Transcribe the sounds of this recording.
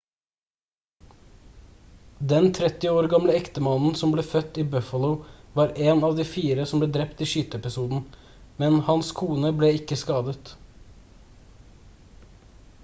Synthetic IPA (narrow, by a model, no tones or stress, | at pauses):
d̪ɛnt̪ʰɾɛt̪ɪoːɾɡɑmləɛkt̪əmɑnn̩sɔmbleːfœt̪iːbœfɑlʊʊʋɑːɾʔeːnɑːʋd̪iːfiːɾəsɔmbleːd̪ɾɛpt̪iːʃyːt̪əɛpɪsuːd̪n̩ | mɛnhɑnskʰuːnəbleːɪkəskɑːd̪ət̪